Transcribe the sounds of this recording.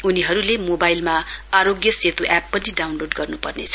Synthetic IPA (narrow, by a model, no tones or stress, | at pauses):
uniɦʌɾulemobajlmaaɾoɡjʌset̪uʔɛpːʌniɖawnloɖɡʌrnupʌrnet͡sʰʌ